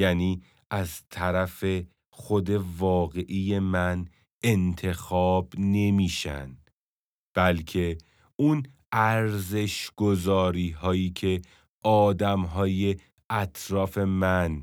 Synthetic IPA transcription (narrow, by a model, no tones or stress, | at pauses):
jæːniː | ʔæzt̪ʰæɾæfe̞ | xo̞d̪e̞vɒːɣe̞ʔije̞mæn | ent̪ʰe̞xɒːb̥ne̞miːʃæ̰nd̪ | b̥ælcʰe̞ | un | æɾze̞ʃɡ̥o̞zɒːɾiːɦɒːjiːcʰe̞ | ʔɒːd̪æmɦɒːje̞ | ʔæt̪ʰɾɒːfe̞mæn